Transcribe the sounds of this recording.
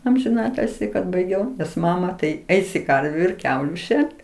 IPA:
ɐmʲʒʲɪˈnɑːtʲɪlʲsʲɪ kɐt bɐɪˈɡʲɛʊ nʲɛs ˈmɑːmɐ tɐɪ ˈɛɪsʲɪ ˈkɐrʲʋʲʊ ɪr ˈkʲɛʊlʲʊ ˈʃʲɛrt

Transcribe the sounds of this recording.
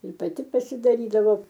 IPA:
ɪr pɐˈtʲɪ pɐsʲɪdɐˈrʲiːdɐʋoː

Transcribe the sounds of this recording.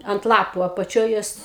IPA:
ɐnt ˈlˠɑːpʊ ɐpɐˈt͡ʃʲoːj ˈjoːs

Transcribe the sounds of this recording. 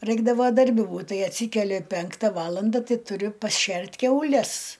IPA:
ˈrɐɪɡdɐʋoː dɐrʲˈbʲɪ ˈbuːt ˈtɐɪ ɐtʲˈsʲiːkʲɛlʲɪ ˈpʲɛŋktɐ ˈʋɑːlˠɐndɐ ˈtɐɪ tʊˈrʲʊ pɐsʲˈʃʲɛrʲtʲ kʲɛʊˈlʲɛs

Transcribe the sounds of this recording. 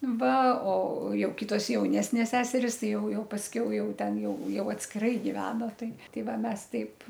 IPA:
ˈʋɐ oː ˈjɛʊ ˈkʲɪtoːs jɛʊˈnʲæːsʲnʲeːs ˈsʲæːsʲɛrʲɪs ˈtʲɪ jɛʊ ˈjɛʊ pɐsʲˈkʲɛʊ ˈjɛʊ ˈtʲɛn ˈjɛʊ ˈjɛʊ ɐtʲsʲkʲɪˈrɐɪ ɡʲɪˈʋʲæːnɐ ˈtɐɪ ˈtɐɪ ˈʋɐ ˈmʲɛs ˈtʲɛɪp

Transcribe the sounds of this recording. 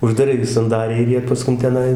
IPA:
ʊʒdɐˈrɐɪ ɡʲɪ sɐnˈdɑːrʲɛɪ ɪr ˈjiɛ pɐˈskʊn tʲɛˈnɐɪ

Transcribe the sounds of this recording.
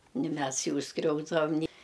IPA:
nʲɪ ˈmʲɛs ˈjuː ˈskrʲɛʊzdɐʋɐm nʲɪ

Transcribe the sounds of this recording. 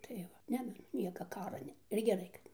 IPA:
tɐɪ ˈʋɐ ˈnʲɛ dɐr ˈnʲiɛkɐ ˈkɑːrɐ ˈnʲɛ ɪr ɡʲɛˈrɐɪ kɐt ˈnʲɛ

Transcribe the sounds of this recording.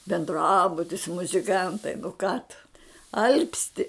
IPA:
bʲɛnˈdrɑːbʊtʲɪs mʊzʲɪˈkɐntɐɪ nʊ kɑː tʊ ˈɐlʲpʲsʲtʲɪ

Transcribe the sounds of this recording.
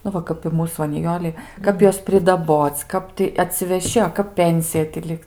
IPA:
nʊ ˈʋɐ kɐp ɪ ˈmuːs ʋɐ nʲɪˈjoːlʲɛɪ ˈkɐp ˈjuɔs pʲrʲɪdɐˈboːt͡s ˈkɐp tʲɪ ɐtʲsʲɪʋʲɛˈʃʲɪ ɐ ˈkɐp ˈpʲɛnʲsʲɪjɛ tʲɪ ˈlʲɪks

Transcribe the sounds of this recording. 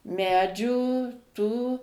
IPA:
ˈmʲæːd͡ʒʲuː tuː

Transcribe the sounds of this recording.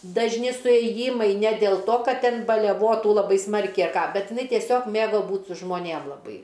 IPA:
dɐʒʲˈnʲɪ sʊeːˈjiːmɐɪ nʲɛ dʲeːlˠ toː ˈkɐt ˈtʲɛn nʲɛˈbuɔ ˈtuː lˠɐˈbɐɪ ˈsmɐrʲkʲɛɪ ɐ ˈkɑː ˈbʲɛt ɪˈnɐɪ tʲiɛˈsʲoːk ˈmʲeːɡoː ˈbuːt sʊ ʒmoːˈnʲeːm lˠɐˈbɐɪ

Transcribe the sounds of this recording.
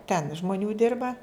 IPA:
tʲɛn ʒmoːˈnʲuː ˈdʲɪrbɐ

